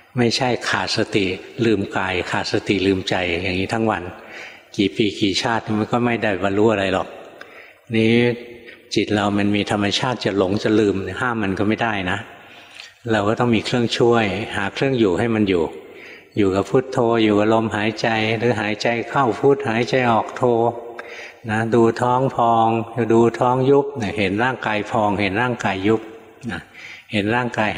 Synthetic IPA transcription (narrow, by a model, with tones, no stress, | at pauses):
ma˥˩jt͡ɕʰa˥˩jkʰaː˨˩t̪̚sa˧t̪i˨˩lɯː˧mkaː˧jkʰaː˨˩t̪̚sa˧t̪i˨˩lɯː˧mt͡ɕa˧jjaː˨˩ŋiː˦˥t̪ʰa˦˥ŋwa˧nkiː˨˩piː˨˩kiː˨˩t͡ɕʰaː˥˩t̪̚ni˧˩ma˧nkɔː˥˩ma˥˩jda˥˩˨baː˧nɾuː˦˥ʔa˧ɾa˧jlɔ˨˩k̚ | niː˦˥ | t͡ɕi˨˩t̪̚ɾa˧wma˧nmiː˧t̪ʰa˧mːa˧t͡ɕʰaː˥˩t̪̚t͡ɕa˨˩lo˨˩˦ŋt͡ɕa˨˩lɯː˧mhaː˥˩mːa˧nkɔː˥˩ma˥˩jda˥˩jna˦˥ʔ | ɾa˧wkɔː˥˩t̪ɔ˥˩ŋmiː˧kʰɾɯ˥˩əŋt͡ɕʰu˥˩əjhaː˩˦kʰɾɯ˥˩əŋjuː˨˩ɦa˥˩jma˧njuː˨˩ | juː˨˩ka˨˩pʰuː˥˩t̪ʰːoː˧juː˨˩ka˧lo˧mɦaː˩˦jt͡ɕa˧jɾɯː˩˦ɦaː˩˦jt͡ɕa˧jkʰa˥˩wpʰuː˥˩t̪̚haː˩˦jt͡ɕa˧jʔɔː˨˩k̚t̪ʰoː˧ | na˦˥duː˧t̪ʰɔː˦˥ŋpʰɔː˧ŋduː˧t̪ʰɔː˦˥ŋju˦˥p̚ni˧˩ɦe˨˩˦nɾaː˥˩ŋkaː˧jpʰɔː˧ŋhe˩˦nɾaː˥˩ŋkaː˧jːu˦˥p̚ | na˧˩he˨˦nɾaː˥˩ŋkaː˧j